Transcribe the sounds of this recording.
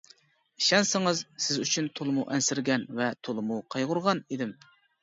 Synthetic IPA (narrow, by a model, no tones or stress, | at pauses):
iʃɛnsɪŋɨzsɪzyt͡ʃʰynt̪ʰolˠɨmuʔɛnsɪɾɡʲɛnvɛt̪ʰolˠɨmuqʰɑjʁʊɾʁɑned̪ɪm